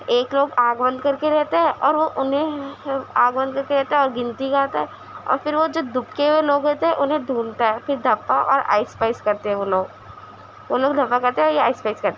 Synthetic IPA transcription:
eːkloːɡaːɡbə̃nd̪ʱkɐɾkeɾɛɦt̪eɦɛ̃ʔɔːɾʋoʔʊnɦẽ | aːɡbɐ̃nd̪̚kɐɾkeɾɛɦt̪eɦɛ̃ɔːɾɡɪ̃nt̪ikaːt̪aɦɛ | ɔ̰ːɾfɪɾʋod͡ʒoːd̪ʊkkeweloːɡɛːt̪eɦɛ̃ʔʊnɦẽɖ̪ʱuːnt̪aɦɛpɪɾd̪ʱɐpːaʔɔ̰ːɾa̰ːɪspaːɪskɐɾt̪eɦɛ̃ʋoːloːɡ | ʋoːloːɡd̪ʱɐpːakɐɾt̪eɦɛ̃jeaːɪspaːɪskɐɾt̪e

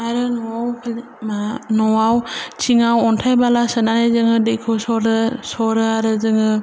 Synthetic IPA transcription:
aɾɯnɔawpʰl | manɔwawt͡ʃʰiŋawɔntʰajbalasɯnanajzɯŋɯdejkʰɔsɔɾɯsɔɾɯaɾɯzɯŋɯ

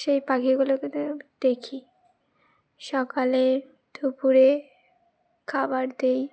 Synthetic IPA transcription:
ʃejpakʰiɡuloked̪̥ekʰi | ʃɔkaleɾ | d̪̥upuɾe | kʰabaɾd̪ej

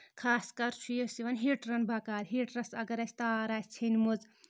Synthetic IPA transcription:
kʰaːskɐɾt͡ʃʰujesiʋɐnɦeʈɾɐnbakaːɾʲɦeʈɾɐsɐɡɐɾɐsʰʲt̪aːɾasʲʰt͡sʰenmud͡z

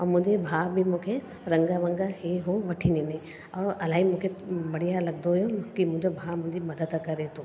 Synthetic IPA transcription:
ɔːɾmʊ̃d͡ʒebʱaːbʱimʊ̃kʰe | ɾɐ̃ŋɡaʋə̃ŋɡaɦeɦoʋɐʈʰinenĩ | ɔːɾɐlaːɦimʊ̃kʰebɐɽijalɐɡ̚d̪ojokimʊ̃ːd͡ʒobʱaːmʊ̃d͡ʒimɐd̪əd̪əkɐɾet̪oː

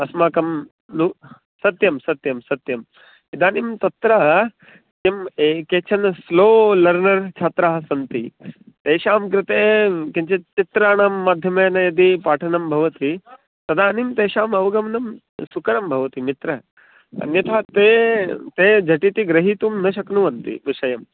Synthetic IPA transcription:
ɐsmaːkɐm | nu | sɐt̪jɐmsɐt̪jɐmsɐt̪jɐm | id̪aːnimt̪ɐt̪ɾa | kemekeːt͡ʃʰɐnsloːlɐɾnɐɾt͡ʃʰaːt̪ɾaːɦɐsɐnt̪i | t̪eːʃaːmkɾɪt̪eːkeɲt͡ɕet͡ʃit̪ɾaːɽaːmːaːd̪ʱjɐmejnɐjɐd̪ipaːʈʰɐnɐmbʱɐʋɐt̪i | t̪ɐd̪aːnimt̪eːʃaːmɐʋɡɐmnɐm | sukɐɾɐmbʱɐʋɐt̪imit̪ɾɐ̰ | njɐt̪ʰat̪et̪ed͡ʒʱɐʈit̪iɡɾɐɦiːt̪uːmnɐɕɐknuʋɐnt̪ḭʋiʂɐjɐm

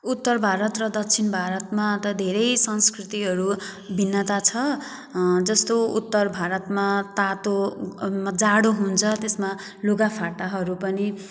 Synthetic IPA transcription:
ut̪ːʌrbʱaɾʌt̪rʌd̪ʌk̚t͡sʰinbʱaɾʌt̪mat̪ʌd̪ʱeɾʌjsʌnskrit̪iɦʌɾubʱinːʌt̪at͡sʰʌ | d͡zʌst̪oṵt̪ːʌrbʱaɾʌt̪mat̪at̪omad͡zaɽoɦunt͡sʰʌt̪esma | loɡapʰaʈaɦʌɾupʌni

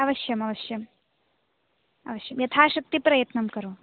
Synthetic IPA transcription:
ɐʋɐʃjɐmɐʋɐʃjɐm | ɐ̰ʋɐʃjɐmjɐt̪ʰaːʃɐk̚t̪ipɾɐjɐt̪nɐmkɐɾoː

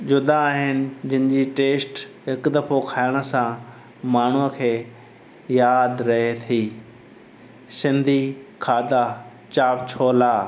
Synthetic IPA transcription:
d͡ʑʊd̪aːɦɪnɪ̆d͡ʑɪnɪd͡ʑiʈeːsʈ | ɦɪkd̪ɐfokʰaːɪɽ̃ə̆sã | maːɳ̤uəkʰeː | jaːd̪ɾɐɦet̪ʰiː | sɪ̃nd̪ʱikʰaːd̪a | t͡ɕaːpt͡ɕʰoːlaː

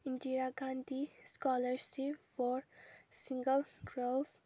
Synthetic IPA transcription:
ĩndiɾaɡãnd̪iskɔləɾsifɔɾsĩŋɡəlɡɾəls

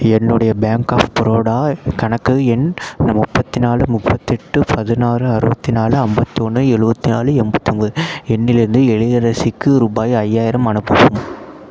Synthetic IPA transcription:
ɛnːɯɽɐjɐbaːŋkaːfpɪɾoːɽaːkɐɳɐkːɯɛnnɐmʊpːɐt̪ːɪnaːlɯmʊpːɐt̪ːɛʈːɯpʰɐðɯnaːɾɯɐɾɯbɐt̪ːinaːlɯɐmbɐt̪ːɯɔɳːɯɛɻɯbɐt̪ːina̰ːlɯɛmbɐt̪ːɐnɡɯɛnːɪlɪɾɯnd̪ɯɛɭɪðɐɾɐsɪkːɯɾʊbaːjɐjːaːjɪɾɐmɐnɯpːɯpːɯm

